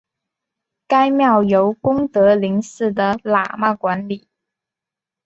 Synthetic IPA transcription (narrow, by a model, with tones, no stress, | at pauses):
ka˥ɪmjɑ˥˩ʊjo˧˥ʊkʊ˥ŋt̪ɤ˧˥li˧˥ŋsɹ̩˥˩d̪ə˩la̰˨˩ma˥˩kwa˧˥nli˨˩˦